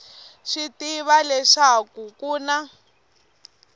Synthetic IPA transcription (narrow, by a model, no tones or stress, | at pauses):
ʃitiβalɛʂakukuːna